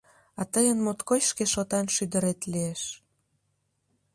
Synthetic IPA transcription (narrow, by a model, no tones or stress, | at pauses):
ɑt̪əjənmot̪kojʃkeʃot̪ɑnʃyd̪əɾet̪lieʃ